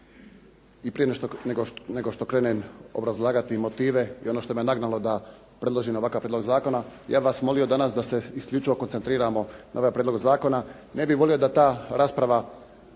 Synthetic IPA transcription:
ipɾijent̪oneɡoneɡoʃt̪o̞kɾeːnenobɾazlˠaːɡat̪imot̪iːʋe̞ḭo̞noːʃt̪o̞mienaɡnalo̞d̪a | pɾe̞d̪lˠo̞ʒimoʋakaʋpɾed̪lo̞ɡzaːko̞najaːbʋasmo̞lijo̞d̪anasd̪ase̞iskʎʲut͡ʃiʋo̞konsent̪ɾiːɾamo̞naoʋajpɾed̪lo̞ɡzaːko̞na | ne̞biʋo̞lijo̞d̪at̪aːɾaːspɾaʋa

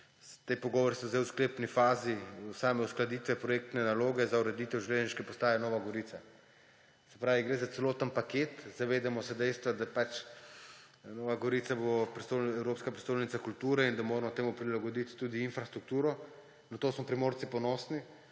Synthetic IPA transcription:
t̪ejpɔɡɔːʋɔɾisɔzɛwskleːpnifaːzisaːmɛusklad̪iːt̪ʋɛpɾɔjeːk̚t̪nɛnaloːɡɛzauɾɛd̪iːt̪ɛwʒilezʒniʃkɛpɔst̪aːjanɔːʋaɡɔɾit̪a | sɛ̥pɾaːʋiɡɾeːzat̪sɛloːt̪ənpakeːt̪zaʋeːd̪ɛmɔsɛd̪ɛjst̪ʋad̪apat͡ʃ | nɔːʋaɡɔɾiːt̪sabopɾist̪oɛwɾoːpskapɾist̪oːjnit̪sakult̪uːɾɛind̪amoːɾɛmɔt̪eːmupɾilaɡɔd̪it̪t̪uːd̪iːnfɾast̪ɾuk̚t̪uːɾɔ | nat̪oːsmɔpɾimoːɾt̪sipɔnɔːsni

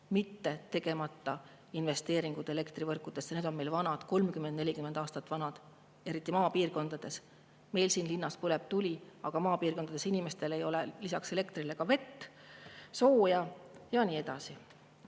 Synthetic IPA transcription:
mit̪ːe̞t̪e̞ɡ̥e̞mɑt̪ːɑ | inve̞st̪e̞ːɾiŋɡ̥ud̪̥e̞le̞kt̪rivɤrkːˑud̪̥e̞sned̪o̞nme̞jlvɑnɑd̪̥ko̞lmkymːend̪ne̞lʲikymend̪̥ɑːst̪ɑt̪ːˑvɑnɑd̪̥ | e̞ɾit̪ːˑimɑːpiːrko̞nd̪̥ɑd̪̥e̞s | me̞jlsiːnlinːɑspuleb̥̚t̪ulʲiɑɡ̥ɑmɑːpiːrko̞nd̪ɑd̪e̞sinime̞st̪e̞le̞jo̞le̞lisɑkse̞le̞kt̪rile̞kɑve̞t̪ː | so̞ːjɑjɑniːe̞d̪̥ɑsi

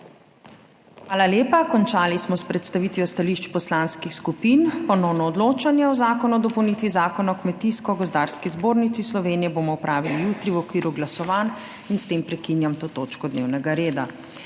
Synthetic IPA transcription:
xʋaːlaljeːpakɔnt͡ʃaːlismɔspɾɛt̪st̪aʋit̪ʋiɔst̪aliʃt͡ʃpɔslanskixskupinpɔnɔwnɔɔd̪loːt͡ʃanjɛɔzaːkɔnuɔd̪ɔpɔwnit̪ʋizaːkɔnaɔkmɛt̪iskɔɡɔzd̪aːɾskizboːɾnit̪sislɔʋeːnijɛbomɔupɾaːʋilijut̪ɾiwɔkʋiːɾuɡlasɔʋan | inst̪empɾɛkinjamt̪oːt̪ot͡ʃkɔd̪newnɛɡaɾeːd̪a

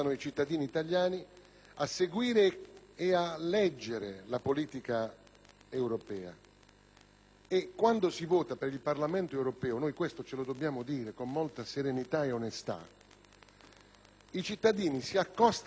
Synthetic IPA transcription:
anʊit͡ʃit̪ːad̪iːniːt̪aljaːni | asːeɡwiːɾɪː | alɛd͡ʒːeɾelapoliːt̪ika | ɛwɾɔpɛːa̰ | ekːwand̪osivɔːt̪apeɾilparlamɛnt̪oɛwɾɔpɛːʊnojkwest̪ot͡ʃelod̪obːjaːmʊd̪iːɾekomːolt̪aseɾenit̪aeonest̪a̰ | it͡ʃit̪ːad̪iːnisiakːɔst̪

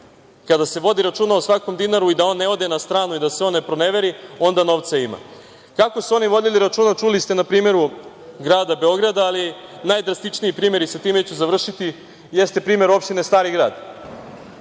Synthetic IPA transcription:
kad̪ase̞ʋo̞d̪iɾat͡ʃuːnaosʋako̞md̪inaɾuid̪ao̞nːeo̞d̪e̞nast̪ɾaːnuid̪aseo̞nne̞pɾo̞ne̞ʋe̞ɾio̞nd̪ano̞ʋt̪saima̰ | kako̞suo̞niʋo̞d̪iliɾat͡ʃuːnat͡ʃulist̪enapɾiːme̞ɾu | ɡɾaːd̪abe̞o̞ɡɾad̪aːlinajd̪ɾast̪it͡ʃniipɾiːme̞ɾisat̪iːme̞t͡ɕuzaʋr̩ʃit̪i | je̞st̪epɾiːme̞ɾo̞pʃt̪ine̞st̪aːɾiɡɾa̰ːd̪

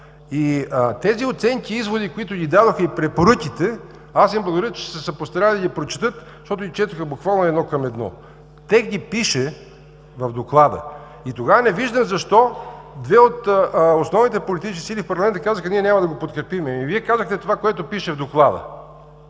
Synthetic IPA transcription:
iət̪ɛziot̪sɛŋkiizvod̪ikoit̪ʊɡʲid̪ad̪oxəipɾɛpoɾɤkʲit̪ɛ | asvimblˠɡod̪ɾət͡ʃɛ̥sɛsɐpost̪ɐɾaid̪ɐɡ̪ʲipɾot͡ʃi̥t̪ɤt̪ | ʃt̪ɔt̪ʊɡit͡ʃɛt̪ɐxəbukvalˠnoɛd̪nɔkɐmɛd̪nɔ̰ | t̪ɛkɡipiʃɛ | vɐvd̪oklˠad̪ə̰ | it̪oɡavənɛviʒd̪əmzɐʃt̪ɔd̪vɛot̪osnɔvnit̪ɛpolit̪it͡ʃsk̪ʲisilifpɐɾlˠmɛnt̪əkazəxəniɛnʲamɐd̪ɐɡopot̪kɾɛpimɛmiviɛkazəxt̪ɛt̪ovakoɛt̪ʊpiʃɛvd̪oklˠad̪ə̰

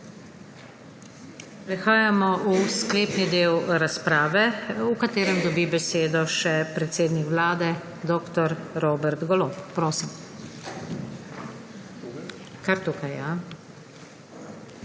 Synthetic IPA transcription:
pɾɛxaːjamɔʔuskleːpnid̪eːwɾaspɾaːʋɛukat̪eːɾɛmd̪ɔbibɛseːd̪ɔʃɛpɾɛt̪seːd̪nikʋlaːd̪ɛ | d̪oːkt̪ɔɾɾoːbɛɾt̪ɡɔloːppɾoːsim | kaɾt̪uːkaja

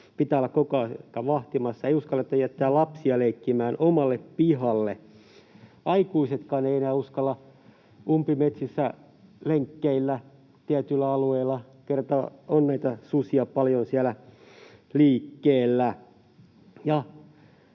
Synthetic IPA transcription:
pit̪æːolːɑkkokɑkːɑʋɑht̪imɑsːɑeiuskɑlːɑet̪ːæjæt̪ːæːlɑpsiɑleikːimæːnomɑlːeppihɑlːe | ʔɑikuiset̪kɑːneienæːuskɑlːɑ | umpimet̪sisːæ | leŋkːeilːæ | t̪iæt̪ylːæɑlueilːˑɑ | kert̪ɑonnæit̪ɑsusiɑpɑljonsiælæ | liːkːeːlːæ | jɑ

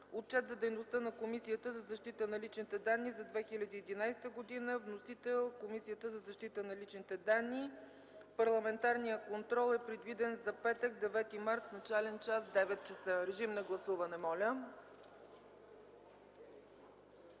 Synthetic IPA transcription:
ot̪̚t͡ʃɛt̪zɐd̪ɛjnost̪ənɐkomisijət̪əzɐzɐʃt̪it̪ənɐlit͡ʃnit̪ɛd̪anːizɐd̪vɛxilʲɐd̪iːd̪inajst̪əɡod̪inəvnosit̪ɛlˠkomisijət̪əzɐzɐʃt̪it̪ənɐlit͡ʃnit̪ɛd̪anːi | pɐɾlˠɐmɛnt̪aɾnijəkont̪ɾɔlˠɛpɾɛd̪vid̪ɛnzɐpɛt̪ək̚d̪ɛvɛt̪imaɾt̪snɐt͡ʃalɛnt͡ʃasd̪ɛvɛt̪̚t͡ʃɛsəɾɛʒimnɐɡlˠɐsuvɐnɛmɔlʲə

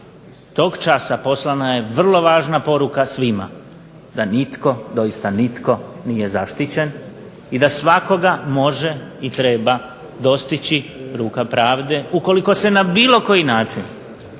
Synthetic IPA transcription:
t̪o̞ːɡt͡ʃasapo̞slˠanaje̞ʋr̩lˠo̞ʋaːʒnapo̞ɾukasʋima̰ | d̪anit̪ko̞d̪o̞jist̪anit̪ko̞nije̞zaʃt̪it͡ɕe̞n | id̪asʋako̞ɡamo̞ʒe̞it̪ɾe̞ːba | d̪o̞st̪it͡ɕiɾuːkapɾaːʋd̪e̞uko̞liko̞se̞nabiːlˠo̞ko̞jinaːt͡ʃin

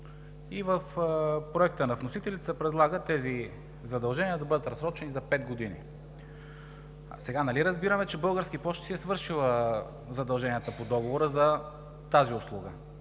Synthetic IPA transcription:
ivəfpɾoɛk̚t̪ənɐvnosit̪ɛlit̪səpɾɛd̪lˠaɡət̪ɛzi | zɐd̪ɐlˠʒɛniəd̪ɐbɤd̪ət̪ɾɐsɾɔt͡ʃɛnizɐpɛt̪ɡod̪inḭ | sɛɡanɐliɾəzbiɾəmɛt͡ʃɛbɤlˠɡəɾskipɔʃt̪siɛsvɤɾʃilˠə | zɐd̪ɐlˠʒɛniət̪əpod̪ɔɡovoɾəzɐ | t̪aziʊslˠuɡə

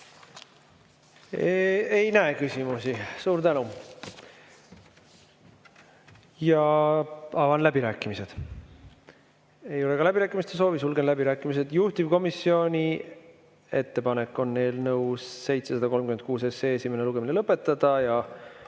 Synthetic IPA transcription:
eejnæekysʲimusisuːɾt̪ænu | jɑ | ɑvɑnlæb̥iɾæːkˑːimise̞d̪̥ | e̞jo̞le̞kɑlæbiɾæːkːˑimist̪eso̞ːvisulɡe̞nlæbiɾæːkːˑimis̬e̞d̪̥juht̪ib̥ko̞misːio̞nʲi | e̞t̪ːe̞pɑne̞kːˑo̞nːe̞jlnɤwsːe̞jt̪se̞sɑd̪ɑko̞lmkyme̞n̚kuːse̞seːesʲimeneluɡ̥e̞minelɤpːˑe̞t̪ːˑɑd̪̥ɑjɑ

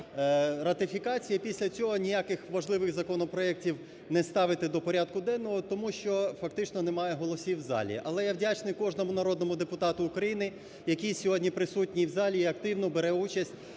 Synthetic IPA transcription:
ɾɐt̪ɪfʲikɑt͡sʲijɐpʲisʲlʲɐt͡sʲɔɦɔnʲijakɪxʋɐʒlˠɪʋɪɣzɐkɔnɔpɾɔɛktʲiw | nɛst̪ɑʋɪt̪ɪd̪ɔpɔɾʲad̪̚kʊd̪ɛnːɔɦɔt̪ɔmuʃt͡ʃɔfɐk̚t̪ɪt͡ʃnɔnemɑjɛɦɔlˠɔsʲiwzɑ̰lʲḭʔɐlˠɛjaʋwdʲat͡ʃnɪjkɔʒnɔmʊnɐɾɔd̪nɔmʊd̪epʊt̪ɑt̪ʊːkɾɐjinɪ | jɐkʲisʲɔɦɔdʲnʲipɾɪsutʲnʲiwzɑlʲiːɐkt̪ɪwnɔbeɾɛut͡ʃɐsʲtʲ

